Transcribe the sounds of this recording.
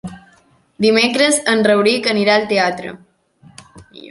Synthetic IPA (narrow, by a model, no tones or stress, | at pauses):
d̪imekɾəzənrəwɾikəniɾaəlt̪eat̪ɾə̰